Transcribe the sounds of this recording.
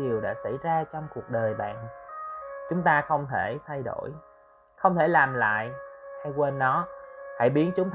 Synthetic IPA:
i˨˩əwɗa̰ː˧˥sa̰˧˩jzaː˧t͡ɕɔ˧wŋ͡mku˨˩ək̚ɗəː˨˩jɓa̰ː˧˨n | t͡ɕʊ˨˦ŋ͡mt̪aː˧xə˧wŋ͡mt̪ʰe˧˩t̪ʰa˧jɗo̰˧˩j | xə˧wŋ͡mt̪ʰe˧˩laː˨˩mla̰ː˧˨jha˧jkwe˧nːɔ˨˦ha̰˧˩jɓi˨˦ənt͡ɕʊ˨˦ŋ͡mt̪

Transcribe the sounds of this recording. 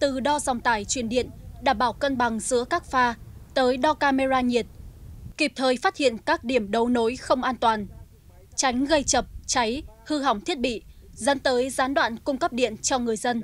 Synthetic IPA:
t̪ɨ˨˩ɗɔ˧za˨˩wŋ͡mt̪aː˧˩jt͡ɕwi˧˩ənɗḭ˧˨ənɗaː˧˩mɓaː˧˩wkə˧nɓa˨˩ŋzɨ̰˧˥əkaː˦˥k̚faː˧t̪əː˨˦jɗɔ˧kaː˧me˧zaː˧ɲi˨˩ət̚ki˨˩p̚t̪ʰəː˨˩jfaː˦˥t̚hḭ˧˨ənkaː˦˥k̚ɗi˧˩əmɗə˨˦wno˨˦jxə˧wŋ͡mʔaː˧nt̪waː˨˩n | t͡ɕa˨˦jŋ̟ɣə˧jt͡ɕə˨˩p̚t͡ɕa˨˦jhɨ˧ɦa˨˩wŋ͡mt̪ʰi˦˥ət̚ɓḭ˧˨ | zə̰˨˦nt̪əː˨˦jzaː˨˦nɗwa̰ː˧˨nkʊ˧ŋ͡mkə˦˥p̚ɗḭ˧˨ənt͡ɕɔ˧ŋɨ˨˩əjzə˧n

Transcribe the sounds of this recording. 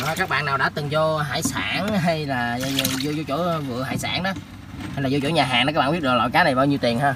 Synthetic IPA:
kaː˦˥k̚ɓa̰ː˧˨nːaː˨˩wɗa̰ː˧˥t̪ɨ˨˩ŋzɔ˧ɦa̰ː˧˥˦jsaː˧˩nɦa˧jlaː˨˩˧zo˧zo˧t͡ɕo̰˧˩˦vɨ̰˧˨əɦa̰ː˧˨jsa̰ː˧˩nɗɔ˨˦ | ha˧laː˨˩zo˧t͡ɕo̰˧˩˦ɲaː˨˩ɦaː˨˩na˨˦aː˦˥ɓːɓt̚lɔ̰˧˨jkaː˨˦nə˨˩jɓaː˧wɲi˧wt̪i˨˩ənhaː˧

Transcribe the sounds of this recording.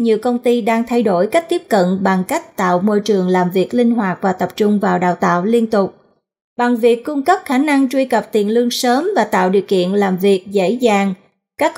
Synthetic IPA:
ɲi˨əwkə˧wŋ͡mt̪i˧ɗaː˧ŋt̪ʰa˧jɗo˧˩jka˦˥k̟̚t̪i˦˥p̚kə̰˧˨nɓa˨˩ŋka˦˥k̟̚t̪a̰ː˧˨wmo˧jt͡ɕɨ˨˩əŋlaː˨˩mvi˨˩ək̚lï˧ŋ̟ɦwaː˨˩k̚vaː˨˩t̪ə˨˩p̚t͡ɕʊ˧ŋ͡mvaː˨˩wɗa̰ː˧˨wt̪a̰ː˧˨wli˧ənt̪ʊ˨˩k͡p̚ | ɓa˨˩ŋvi˨˩əkːʊ˧ŋ͡mkə˦˥p̚xaː˧˩˦na˧ŋt͡ɕwi˧kə˨˩p̚t̪i˨˩ənlɨ˧əŋsəː˨˦mvaː˨˩t̪a̰ː˧˨wɗḭ˧˨əwkḭ˧˨ənlaː˨˩mvi˨˩ək̚zḛ˧˥zaː˨˩ŋ | kaː˦˥k̚

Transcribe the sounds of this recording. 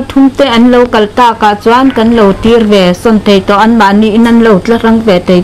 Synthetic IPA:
t̪ʰu˧˦mt̪ɛ˧˨ʔa˨nlo˧˨wka˨lt̪aː˧˨ka˨t͡saː˧˦nka˧˨nlo˧˨wt̪i˧˦rwɛː˨˩sɔ˧˩˨nt̪a˨˩jt̪ɔː˨ʔa˧˨nɓaː˨ni˧ʔi˦nʔa˧˨nla˧˩wt͡ɬa˧˦ɾa˧˦ŋvɛː˨t̪a˨j

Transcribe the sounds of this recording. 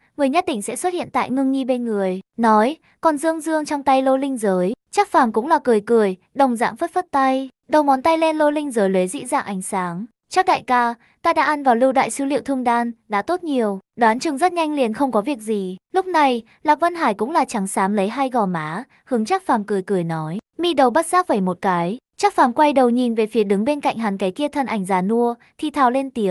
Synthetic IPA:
ŋɨ˨˩əjɲə˦˥t̚t̪ï˧˩ŋ̟sɛ̰˧˥swə˦˥t̚hḭ˧˨ənt̪a̰ː˧˨jŋɨ˧əŋŋi˧ɓe˧nŋɨ˨˩əjnɔ˨˦j | kɔ˨˩nzɨ˧əŋzɨ˧əŋt͡ɕɔ˧wŋ͡mt̪a˧jlo˧lï˧ŋ̟zəː˨˦jt͡ɕa˦˥k̚faː˨˩mkʊ̰˧˥ŋ͡mlaː˨˩kɨ˨˩əjkɨ˨˩əj | ɗə˨˩wŋ͡mza̰ː˧˥ŋfə˦˥t̚fə˦˥t̚t̪a˧j | ɗə˨˩wmɔ˨˦nt̪a˧jlɛ˧nlo˧lï˧ŋ̟zəː˨˦jle˨˦zḭ˧˥zaː˧˩ŋʔa˨˩˦jŋ̟saː˨˦ŋ | t͡ɕa˧˥k̚ɗa̰ː˧˨jkaː˧ | t̪aː˧ɗa̰ː˧˥ʔa˧nvaː˨˩wlɨ˧wɗa̰ː˧˨jsɨ˨˦lḭ˧˨əwt̪ʰɨ˧əŋɗaː˧nɗa̰ː˧˥t̪o˦˥t̚ɲi˨˩əwɗwaː˨˦nt͡ɕɨ˨˩ŋzə˦˥t̚ɲa˧jŋlḭ˧˨ənxə˧wŋ͡mkɔ˨˦vi˨˩ək̚zi˨˩lʊ˦˥k͡p̚na˨˩j | laː˨˩və˧nɦaː˧˩jkʊ̰˧˥ŋ͡mlaː˨˩t͡ɕa˨˦ŋsaː˨˦mlə˨˦jɦa˧jɣɔ˨˩maː˨˦ | hɨ˨˦əŋt͡ɕaː˦˥k̚faː˨˩mkɨ˧˩əjkɨ˧˩əjnɔ˨˦jmi˧ɗə˨˩wɓə˦˥t̚z̥aː˦˥k̚vəː˧˩jmo˨˩t̚kaː˨˦j | t͡ɕaː˦˥k̚faː˨˩mkwa˧jɗə˨˩wɲi˨˩nve˨˩fi˨˦əɗɨ˨˦ŋɓe˧nka̰˧˨jŋ̟ɦaː˨˩nkaː˨˦jki˧ət̪ʰə˨˧˩nʔa˨˩jŋ̟zaː˨˩nu˧ə | t̪ʰi˧˩t̪ʰaː˧˩wle˧nt̪i˨˦ə

